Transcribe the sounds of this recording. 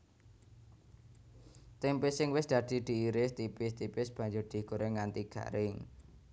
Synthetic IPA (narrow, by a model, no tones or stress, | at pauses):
t̪ɪmpɪsɪŋwɪsd̪̥ä̤d̪̥i̤d̪̥i̤iɾɪst̪ipɪst̪ipɪsb̥ä̤ɲd͡ʒʊrd̪̥i̤ɡ̥o̤ɾʔeŋant̪iɡ̥ä̤̰ɾʔɪŋ